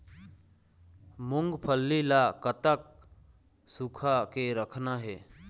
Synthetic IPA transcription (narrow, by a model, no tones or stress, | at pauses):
mʊŋɡpʰəlːilakət̪ək̚ | sukʰakeɾəkʰnaɦɛː